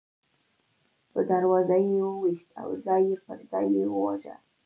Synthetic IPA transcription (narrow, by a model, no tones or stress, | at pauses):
pəd̪aɾwɑzajəwiʃt̪a̰wzɑjefəɾɡɑjewəwaʒa̰